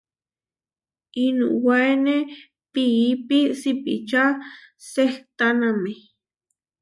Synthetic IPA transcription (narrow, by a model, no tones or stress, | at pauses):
inṵ̃waene | piːpisipḭt͡ʃaseht̪aname